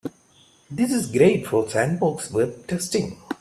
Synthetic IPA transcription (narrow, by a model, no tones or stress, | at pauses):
d̪ɪsɪzɡɾeɪʈfɔːsæ̃nbɔksʋɛʈʰɛsʈɪ̃ŋ